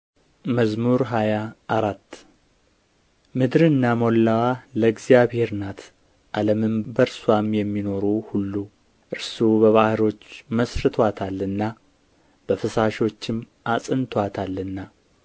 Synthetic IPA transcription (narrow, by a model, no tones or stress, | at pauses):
məzmuɾɦajaːɾat̪ː | mɨd̪ɾɨnːamo̞lːawaləɡzijaβhe̞ɾnat̪ʰ | ʔaləmɨmbəɾswamjɛmːino̞ɾuhulːu | ʔɨɾsubəβahɨɾo̞t͡ʃːməsɾɨt̪ʰwat̪ʰalːɨnːa | b̥əfɨsaʃo̞t͡ʃːɪm | ʔasʼɨnt̪ʰwat̪ʰalːɨnːa